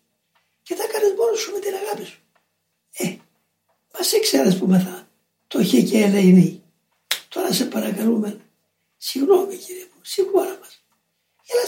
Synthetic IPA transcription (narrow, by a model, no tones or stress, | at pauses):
cet̪ɐkɐnezmoɾusumet̪inɐɣɐpisu̥ | e | mɐsekseɾespumeθɐ | t̪oçeceːleini | t̪o̞ɾɐsepɐɾɐkɐlumeno | siɣno̞miciɾiepusiɣoɾɐmɐs | elɐ